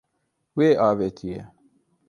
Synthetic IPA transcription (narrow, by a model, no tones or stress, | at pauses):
weːʔɑːveːt̪ʰijḛ